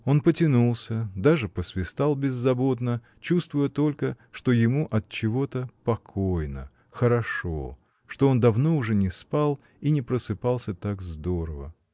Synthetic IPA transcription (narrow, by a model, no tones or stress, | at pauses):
o̞npətʲɪnulˠsʲəd̪aʐɨpəsvʲɪst̪alˠbʲɪzːɐbo̞t̪nə | t͡ɕust̪vʊjət̪o̞lʲkə | ʂt̪o̞jɪmuʔɐt̪̚t͡ɕɪvo̞t̪əpɐkʰojnə̰ | xəɾɐʂo̞̰ | ʂt̪o̞o̞nd̪ɐvno̞ʊʐɛnʲɪspalˠ | inʲɪpɾəsɨpalˠsʲət̪akzd̪o̞ɾəvə̰